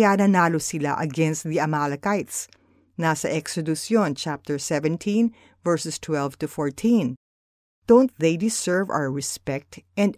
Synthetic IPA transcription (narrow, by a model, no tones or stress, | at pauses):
jaːnɐnaːlosɪla̰ʔɐɡɛnst̪̚d̪iɐmalɐkajt̪s | nasɐ̰ʔɛksɛd̪ʊsjõnt͡ʃap̚t̪ɛɹsɛvɛ̃nt̪ʰĩn | vɛɹsɛst̪ʰwɛlvt̪ʊfɔɹt̪ʰĩn | d̪̥õw̃nt̪̚ðejd̪ɪsɛɹva̰wəɹɛspɛk̚t̪ɛ̃nd̪